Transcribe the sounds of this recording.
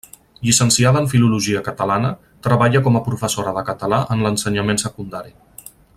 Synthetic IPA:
ʎisənsiaðəːɱfiluluʒiəkət̪əlanə | t̪ɾəβaʎəkɔməpɾufəsoɾəðəkət̪əlaʔənlənsəɲəmensəkund̪aɾi

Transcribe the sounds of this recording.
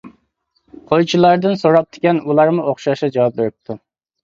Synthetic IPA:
qʰojt͡ʃʰilˠɑɾd̪ɨnsoɾɑp̚t̪ʰɪ̥kʲɛnulˠɑɾmʊoχʃɑʃɑd͡ʒɑwɑp̚beɾɪp̚t̪ʰu

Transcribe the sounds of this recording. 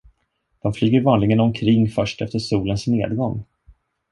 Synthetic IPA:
d̪̥ɔmflyːɡəɾvɑːnlɪɡənɔmkʰɾɪŋːfœʂʈɛft̪əʂuːlənsneːd̪ɡɔŋː

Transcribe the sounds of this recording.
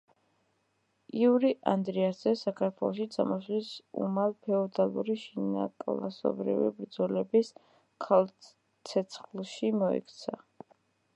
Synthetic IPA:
iuɾiʔand̪ɾiasz̥ɛsakʰaɾt̪ʰwɛlˠɔʃid̪zʰa̰mɔslisṵmalˠpʰɛɔd̪alˠuɾiʃinakʼlasɔ̰bɾḭvḭbɾd̪zɔlɛbis | kʰalˠ | t̪sʰɛt̪sʰχlˠʃimɔɛ̰kʰt̪sʰa

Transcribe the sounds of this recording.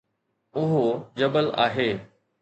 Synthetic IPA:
ʊɦod͡ʑɐbəla̰ːɦeː

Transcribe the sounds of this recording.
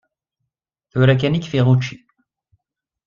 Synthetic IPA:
θʊɾæk̬ænikfiʁut͡ʃːi̥

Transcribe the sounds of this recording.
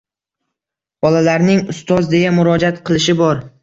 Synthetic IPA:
b̥ɒlalaɾnɪŋʊst̪ɒzd̪e̞jamʊɾɒd͡ʒat̪qʰɨlˠɪʃ̬ɪbɒɾ

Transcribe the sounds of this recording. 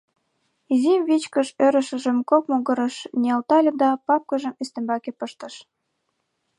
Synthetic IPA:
izimβit͡ɕkə̆ʃøɾə̆ʃə̆ʒə̆mkokmoɣɤ̆ɾɤ̆ʃnʲiɑlt̪ɑlʲĕd̪ɑpɑp̚kə̆ʒə̆mest̪ĕmbɑkepəʃt̪ɤ̆ʃ

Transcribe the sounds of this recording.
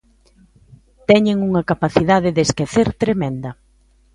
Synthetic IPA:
t̪ɛɲeŋuŋɐkapaθiðaðɪðeskeθeɾt̪ɾemɛ̃nd̪ɐ

